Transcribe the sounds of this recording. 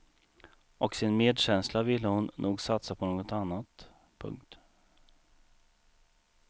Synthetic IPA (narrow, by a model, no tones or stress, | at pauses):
ɔksɪnmeːd̪ɕɛnslavɪlːəhʊnːuːɡsat̪sapʰɔnoːɡɔt̪anːat̪ | pʰɵ̰ŋkt̪